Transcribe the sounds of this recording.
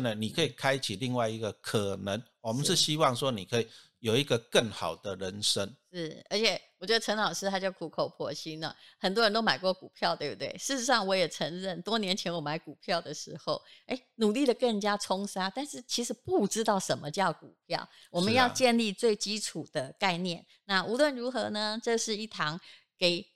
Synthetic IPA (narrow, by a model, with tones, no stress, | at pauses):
nə˨ni˨˩kʰə˧˦i˨˩kʰa˦ɪt͡ɕʰi˨˩li˥˧ŋwa˥˩ɪi˧˦ɡə˧kʰə˨˩nə˧˦ŋwɔ˨mə˦nʂɻ̩˥˩ɕi˦˥wɑ˥˨ŋʂwɔ˦˥ni˨˩kʰə˧˦i˨˩˨ | jo˨˩ʊi˧˦˥ɡə˧kə˥˨˩ŋxɑ˨˩ʊd̪ə˦ɻə˧˦nʂə˦ŋʂɻ̩˥˩ə˞˧˥t͡ɕʰjɛ˨˩wɔ˨˩t͡ɕɥɛ˧˥d̪ə˧˩ə˧˥ŋlɑ˨˩ʊʂɻ̩˥˧t̪ʰa˥t͡ɕjo˥˩ʊkʰu˨˩kʰo˨˩ʊpʰwɔ̰˥˩ɕi˥nə̰˨˩xə˨˩nt̪wɔ˥ɻə˧˦nt̪o˥ʊma˨˩ɪkwɔ˥˩ku˨˩pʰjɑ˥˧ʊt̪we˥˩ɪbu˧˩t̪we˥˩ɪʂɻ̩˥˩ʂɻ̩˧˥ʂɑ˥˩ŋwɔ˧˥jɛ˨˩ʈ͡ʂʰə˧˥ŋɻə˥˩nt̪wɔ˥njɛ˧˥nt͡ɕʰjɛ˧˥nwɔ˨˩ma˧˥ɪku˨˩pʰjɑ˥˩ʊd̪ə˩ʂɻ̩˧˥xo˥˩ʊe˥˩ɪnu˨˩li˥˩d̪ə˩kə˥˩ŋt͡ɕja˦˥ʈ͡ʂʰʊ˥ŋʂa˥t̪a˥˧nʂɻ̩˥˩t͡ɕʰi˧˥ʂɻ̩˨˧˦pu˥˧ʈ͡ʂɻ̩˥t̪ɑ˥˩ʊʂə˧˥nmə˧t͡ɕjɑ˥˩ʊku˨˩pʰjɑ̰˥˩ʊwɔ˨˩mə˨˦jɑ˥˧ʊt͡ɕjɛ˥˧nli˥˧t͡swe˥˩ɪt͡ɕi˥ʈ͡ʂʰu˨˩d̪̥ə˦ka˥˧ɪnjɛ˥˩n | na˥˩ʔu˧˥lwə˥˩nɻu˧˥xɤ˧˥nə˧ʈ͡ʂɤ˥˧ʂɻ̩˥˧i˥˩t̪ʰɑ˧˥ŋ | ke˨˩ɪ